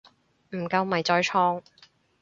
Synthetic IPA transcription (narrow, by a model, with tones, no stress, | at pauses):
m̩˨˩kɐ˧wmɐ˨˩jt͡sɔː˧jt͡ʃʰɔː˧˥ŋ